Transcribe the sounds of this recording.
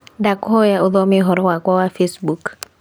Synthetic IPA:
dakʊhɔjaʊðɔmɪɦɔɾɔwakwawafesbuk

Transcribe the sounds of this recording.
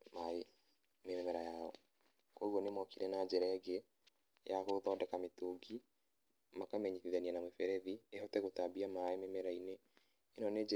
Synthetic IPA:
mae | memɛmɛɾajaɔ | koiɣwɔnemɔkiɾɛnad͡ʑɛɾɛɛɡe | jakoðɔdɛkametoɡi | makamɛɲiθiðanianamwefɛɾɛðiehɔtɛɣotabiamaememɛɾaineː | nɔned͡ʒ

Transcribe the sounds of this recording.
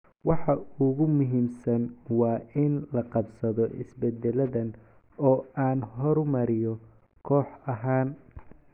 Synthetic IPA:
wɑħɑʊɣʊmʊɦiːmsɐnwɑːʔɪnlɐqɑbsɐðɔʔɪ̰sbɛd̪ɛlɐðɐn | ɔːaːnɦɔɾmɐɾɪjɔ | kʰɔːħɐɦaːn

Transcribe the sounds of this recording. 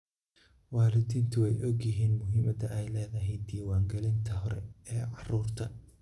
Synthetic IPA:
wɑːlɪt̪ʰiːnt̪ʰʊwɛjʔɔɡjɪɦiːnmʊɦiːmɐd̪ɐʔɛjlɛːðɐɦɛjd̪iːwɑːŋɡɛlɪnt̪ʰɐɦɔɾɛɛːʕɑruːrt̪ʰɐ

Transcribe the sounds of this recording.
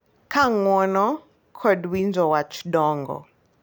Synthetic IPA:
kʰaŋwɔnɔ | kʰɔdwind͡ʒɔwat͡ʃi̥ɗɔːŋɡɔ̰

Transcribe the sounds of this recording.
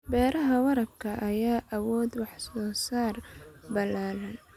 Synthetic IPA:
bɛːɾɐɦɐwɑɾɐb̚kʰɐʔɐjaːʔɐwɔːd̪wɑħsɔːsaːrbɐlaːlɐn

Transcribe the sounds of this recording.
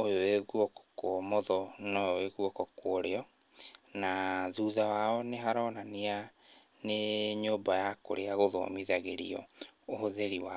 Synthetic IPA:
ojoeɣuɔkɔ̥kwɔmɔðɔnɔjoeɣuɔkɔkooɾeɔ | naðuðawaɔneɦaɾɔnania | neɲoːbajako̰ɾeaɣoðɔ̰miðaɣeɾḭɔ̰ohoðeɾiwa

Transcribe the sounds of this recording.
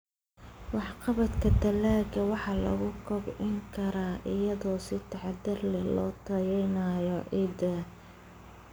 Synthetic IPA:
wɑħqɑβɐt̪kʰɐd̪ɐlaːɡɐwɑħɑːlɐ̰ɣʊkʰɔbʕɪŋkʰɐɾaːʔɪjɐðɔːsɪt̪ʰɑħɑd̪ɐrlɛlɔ̰ːt̪ʰɐjɛjnɐjɔʔɪd̪ɐ

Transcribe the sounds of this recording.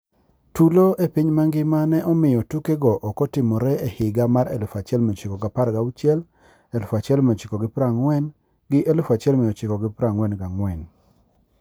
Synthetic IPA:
tuloepiɲmaŋɡɪmanɛʔɔmɪjɔtukeɡɔʔɔkɔtɪmɔɾɛehɪɡamaɾelfat͡ʃɛlmɛt͡ʃɪkɔɡapaɾɡaut͡ʃjɛl | elfat͡ʃɛlmɛɔt͡ʃɪkɔɡɪpɾaŋwɛn | ɡɪʔelfat͡ʃɪɛlmɪɔt͡ʃɪkɔɡɪpɾaŋwɛnɡaŋwɛn

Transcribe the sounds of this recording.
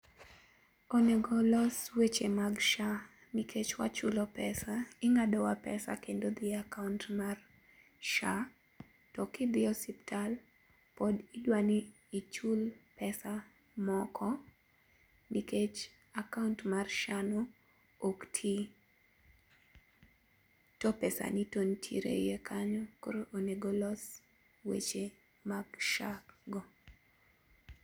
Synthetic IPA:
oneɡɔlɔswet͡ʃemaɡʃa | nikʰet͡ʃwa̰t͡ʃʊlɔpɛsaɪŋadɔwapɛsa̰kendod̪iakauntmar | ʃa | tɔkɪd̪ɪɔsiptʰal | pɔdidwaniː | t͡ʃulpɛsa | mɔkʰɔ | niket͡ʃ | akauntmarʃano | oktʰi | tɔpɛsa̰nitontʰḭɾḛjekʰaɲɔkoɾoʔoneɡɔlɔs | wḛt͡ʃe | makʃakɡɔ

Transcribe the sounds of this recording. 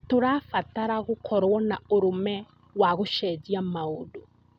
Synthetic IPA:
toɾafataɾaɣokʰɔɾwɔnaoɾomɛ | waɣoʃɛd͡ʑiamaodo

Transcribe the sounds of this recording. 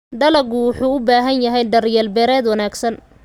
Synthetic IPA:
ɖɐlɐɡʊwʊħuːʊbaːɦɐnjɐɦɛjɖɐrjɛːlbɛːɾɛːd̪wɐnaːɡsɐn

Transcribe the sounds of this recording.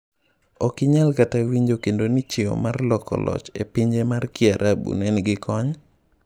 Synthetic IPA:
ɔkɪɲalkatawiɲd͡ʒokendonit͡ʃeo̰marlɔkɔ̰lɔ̰t͡ʃepiɲd͡ʒemarkɪaɾʔabṵnɛnɡɪkʰɔɲ

